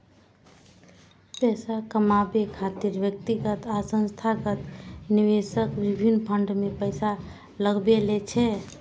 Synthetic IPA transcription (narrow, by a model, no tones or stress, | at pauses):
pɛsakəmabekʰat̪iɾbjək̚t̪iɡət̪asə̃nst̪ʰaɡət̪niʋesəkbibʱinpʰəɳɖmepəɪsa | ləɡbelet͡ʃʰɛ